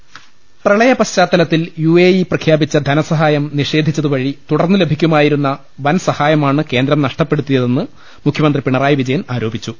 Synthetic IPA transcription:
prɐɭɐjɐpɐɕt͡ɕaːt̪ːɐlɐt̪ːiljueːjiprɐkʰjaːbit͡ɕːɐd̪ʱɐnɐsɐɦaːjɐmniʂe̞ːd̪ʱit͡ɕːɐðuʋɐɻit̪uɽɐrnːɨle̞bʱikʲːumaːjiɾunːɐ | ʋɐnsɐhaːjɐmaːɳɨke̞ːnd̪ɾɐmnɐʂʈɐpːe̞ɽut̪ːijɐðe̞nːɨ | mukʰjɐmɐnd̪ripiɳɐraːjɐʋid͡ʑɐjɐmaːɾo̞ːbʱit͡ɕːu

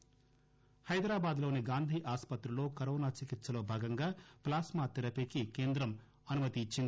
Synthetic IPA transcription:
hɐjd̪ɾaːbaːd̪lo̞ːniɡaːnd̪ʱiːʔaːspɐt̪ɾɐlo̞ːkɐɾoːnaːt͡ʃikit̪sɐlo̞ːbʱaːɡɐŋɡaːplaːsmaːt̪iɾɐpekike̞ːnd̪ɾɐm | ɐnumɐt̪it͡ʃːin

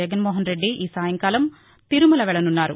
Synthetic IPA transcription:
ɐɡɐnmoːɦɐnɾeɖːiʔiːsaːjɐŋkaːlɐm | t̪iɾumɐlɐʋɛɭɐnunːaːɾṵ

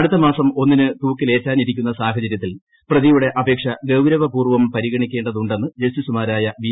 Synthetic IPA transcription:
ɐɽut̪ːɐmaːsɐmo̞nːinɨt̪uːkːile̞ːtːaːniɾikʲːunːɐsaːɦɐt͡ɕɐɾjɐt̪ːil | prɐðijuɽe̞ʔɐbe̞ːkʂɐɡɐwɾɐʋɐpuːrʋɐmpɐɾiɣɐɳikʲːe̞ːɳɖɐðuɳɖe̞nːɨd͡ʑɐst̪isumaːɾaːjɐʋi

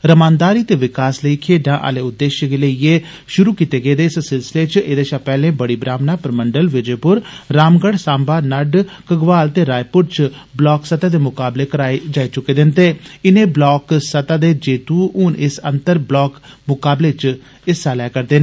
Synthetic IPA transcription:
ɾəmaːnd̪aːɾiːt̪eːʋɪkaːsləiːkʰeːɖãːʔa̰ːleːʊd̪ːeːʃɡeləieː | ʃʊɾuːkiːt̪eːɡəeːd̪eːssɪlsɪleːt͡ʃeːd̪eːʃaːpɛːlẽːbəɽiːbɾaːʋnãːpəɾməɳɖəlʋɪd͡ʒeːpʊɾɾaːmɡəɽsaːmbaːnəɖkəɡʋaːlt̪eːɾaːjpʊɾt͡ʃ | blɔːksət̪aːd̪eːmʊkaːbleːkəɾaːed͡ʒaːiːt͡ʃʊkːeːd̪ɪnt̪eːɪnẽːblɔːksət̪aːd̪eːd͡ʒeːt̪uːʊnɪsə̰̃nt̪əɾblɔːkmʊkaːbleːt͡ʃ | ɪsaːlɛːkəɾd̪eːnː

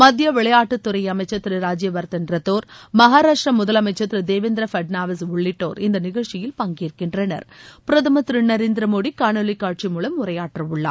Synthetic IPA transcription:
mɐd̪jɐʋɪɭɐjaːʈːɯt̪ːʊɾɐɪjɐmɐɪt͡ʃːɐt̪ːɪɾɯɾaːd͡ʒɪjɐʋɐɾt̪ɐndɾɐt̪ːoːɾmɐɦaːɾaːʂʈɾɐmʊðɐlɐmɐɪt͡ʃːɐt̪ːɪɾɯd̪eːʋɪnd̪ɾɐfɐɖnaːʋɐsʊɭːɪʈːo̰ːɾɪnd̪ɐnɪɣɐɭt͡ʃɪjɪlpɐŋɡiːɾkɪnɖrɐnɐ̰ɾpɪɾɐt̪ɐmɐt̪ɪɾɯnːɐɾeːnd̪ɪɾɐmoːɽikaːɳɐlɪkːaːʈ̚t͡ʃimuːlɐmːʊɾɐjaːʈrɐʊɭːa̰ː

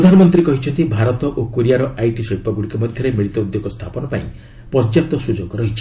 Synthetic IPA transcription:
ɾɔd̪ʱanɔmɔnt̪ɾikɔɦit͡ʃʰɔnt̪ibʱaɾɔt̪ɔʔokoɾijaɾɔʔajʈisipɔɡuɽikɔmɔd̪ʱjɔɾemiɭit̪ɔud̪joɡɔst̪ʰapɔnɔpaĩ | pɔɾd͡ʒjap̚t̪ɔsud͡ʒoɡɔɾɔɦit͡ʃʰi̥

